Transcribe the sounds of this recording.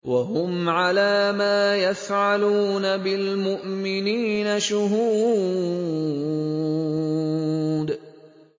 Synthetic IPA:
waɦʊmʕalaːmaːjafʕaluːnabɪlmʊʔmɪniːnaʃʊɦuː | d̪

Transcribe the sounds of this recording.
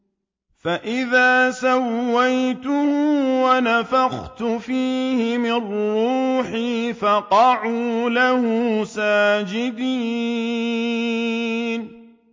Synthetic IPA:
faʔɪðaːsawːajt̪ʊhʊʊwanafaxt̪ʊfiːhɪmɪrːuːħiːfɑqɑʕuːlahʊsaːd͡ʒɪd̪iː | n

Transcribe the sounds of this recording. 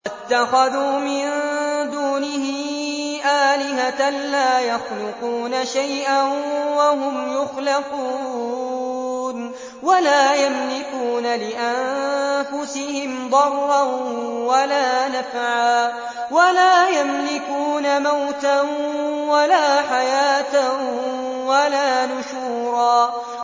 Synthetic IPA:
ʔat̪ːaxaðuːmɪnd̪uːnɪhɪʔaːlɪɦaanlaːjɑxlʊquːnaʃajʔanwaɦʊmjʊxlɪquː | n | walaːjamlɪkuːnalɪʔanfʊsɪhɪmd̪ˤɑrˤːɑnwalaːnafʕaː | walaːjamlɪkuːnamawt̪a | walaːħajaːt̪a | walaːnʊʃuːɾˤɑː

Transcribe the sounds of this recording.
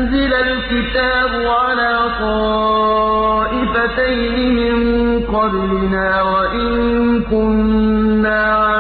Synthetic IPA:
nzɪlalkɪt̪aːbʊʕalaːt̪ɔː | ʔɪfat̪ajnɪmɪŋqɑblɪnaːwaʔɪŋŋkʊnːaː

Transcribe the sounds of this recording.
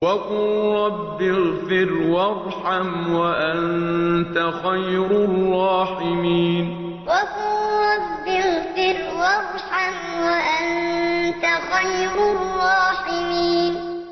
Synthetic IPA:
wakʊlɾˤɑbːɪlfɪɾwɑɾˤ | ħamwaʔant̪axajɾʊrˤːɑːħɪmiːn | wakʊlɾˤɑbːɪlfɪɾwɑɾˤħam | waʔant̪axajɾʊrˤːɑːħɪmiːn

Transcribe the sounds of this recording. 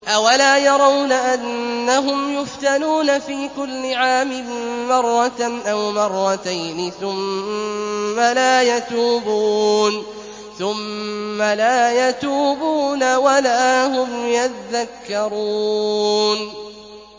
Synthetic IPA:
ʔawalaːjɑɾˤɑwnaʔanːaɦʊmjʊft̪anuːnafiːkʊlːɪʕaːmɪːɑrˤːɑt̪ʔawmɑrˤːɑt̪ajnɪθʊmː | alaːjat̪uːbuːn | θʊmːalaːjat̪uːbuːnawalaːɦʊmjat̪ðakːɑɾˤuː | n

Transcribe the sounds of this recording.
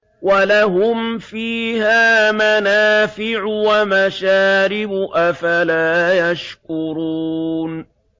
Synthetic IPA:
walaɦʊmfiːhaːmanaːfɪʕʊwamaʃaːɾɪbʊʔafalaːjaʃkʊɾuːn

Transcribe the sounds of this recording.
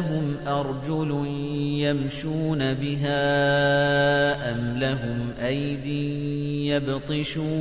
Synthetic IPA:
ɦʊmʔɑɾˤd͡ʒʊl | jamʃuːnabɪɦaː | ʔamlaɦʊmʔajd̪ɪnjabt̪ˤɨʃuː

